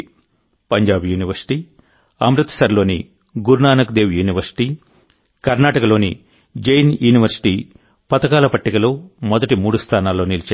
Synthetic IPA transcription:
pɐɲd͡ʒaːbjuːniʋɐɾsi̥ʈiː | ɐ̰mɾɐt̪ːɐ̥sɐɾlo̞ːnḭ | ɡuɾnaːnɐkd̪eːʋjuːniʋɐɾsi̥ʈiː | kɐɾnaːʈɐkɐlo̞ːnḭ | d͡ʒɐjnjuːniʋɐɾsi̥ʈiː | pɐt̪ɐkaːlɐpɐʈːikɐloːmɔd̪ɐʈimuːɽust̪ʰaːnaːlːo̞ːnilɐt͡ʃː

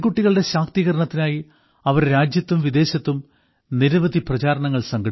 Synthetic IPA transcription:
ɡuʈːiɣɐɭɨɽe̞ɕaːk̚t̪iɣɐɾɐɳɐt̪ːinaːji | ɐʋɐɾɾaːd͡ʑjɐt̪ːumʋid̪e̞ːɕɐt̪ːum | niɾɐʋɐd̪ʱiprɐt͡ɕaːɾɐɳɐŋːɐɭsɐŋɡɐɽ

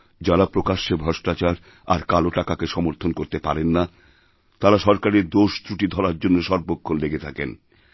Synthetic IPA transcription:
d͡ʑaɾapɾokaʃːebʱɔʃʈat͡ɕaɾ | a̰ɾkaloʈakakeʃɔmoɾt̪ʰonkoɾt̪epaɾenːa | t̪aɾaʃɔɾkaɾeɾd̪oʃt̪ɾuʈid̪ʱɔɾaɾd͡ʑonːoʃɔɾbokʰːonleɡet̪ʰaken

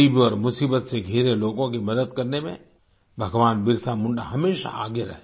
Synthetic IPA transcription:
iːbɔːɾmʊsiːbət̪seɡʱeːɾeloːɡõk̬imɐd̪əd̪kɐɾnemḛ̃ | bʱɐɡʋaːnbɪɾsamʊ̃ɳɖa̰ɦɐmeːʃa̰a̰ːɡeɾɐɦe

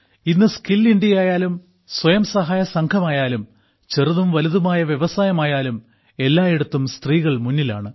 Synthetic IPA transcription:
inːɨskilːiɳɖjijaːjaːlum | swɐjɐmsɐɦaːjɐsɐŋkʰɐmaːjaːlum | t͡ɕe̞ruðumʋɐluðumaːjɐʋjeʋɐsaːjɐmaːjaːlum | e̞lːaːjeɽut̪ːumst̪riːɣɐɭmunːila̰ːɳɨ

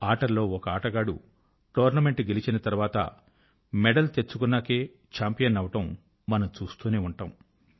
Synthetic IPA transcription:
aːʈɐɾlo̞ːɔkɐaːʈɐɡaːɽṵ | ʈoːɾnɐme̞ɳʈɡe̞lit͡ʃinɐt̪ɐɾuʋaːt̪ɐ̰ | mɛɖɐlt̪e̞t͡ʃːukunːaːkeː | t͡ʃaːmpijɐnɐʋɐʈɐmː | ɐnɐmt͡ʃuːst̪uːneːuɳʈaːm

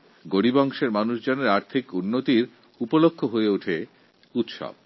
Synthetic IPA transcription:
ɡoɽibɔŋʃeɾmanuʃd͡ʑɔneɾaɾt̪ʰikunːot̪iɾ | upolokʰːoɦoeuʈʰe | ut̪ʃɔ̰b

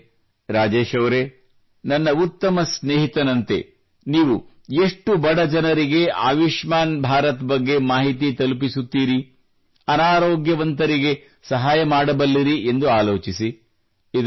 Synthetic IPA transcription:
ɾaːd͡ʒeːʃɐʋɾe̞ | nɐnːɐut̪ːɐmɐsneːɦit̪ɐnɐnt̪e̞̰ | niːʋu | eʂʈubɐɽɐd͡ʒɐnɐɾiɡe̞a̰ːʋiʂmaːnbʱaːɾɐt̪bɐɡːe̞maːɦit̪it̪ɐlup̬isut̪ːiːɾi | ɐnaːɾoːɡjɐʋɐnt̪ɐɾiɡe̞ | sɐɦaːjɐmaːɽɐbɐlːiɾie̞nd̪uaːloːt͡ʃisi | id̪

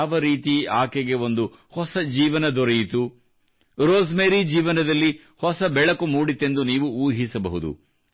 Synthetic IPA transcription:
aːʋɐɾiːt̪iaːkeɡe̞o̞nd̪u | hɔsɐd͡ʒiːʋɐnɐd̪ɔɾejit̪u | ɾoːzmeːɾid͡ʒiːʋɐnɐd̪ɐlːi | hɔsɐbɛɭɐkumuːɽit̪ːe̞nd̪uniːʋuuːɦisɐbɐɦud̪ṵ

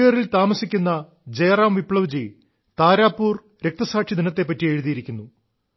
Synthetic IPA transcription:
jɐrilt̪aːmɐsikʲːunːɐ | d͡ʑeːraːmʋipɭɐʋd͡ʑi | t̪aːɾaːpːuːr | ɾe̞k̚t̪ɐsaːʈʂid̪inɐt̪ːe̞pːɐtːie̞ːɻuðijiɾikʲːunːu

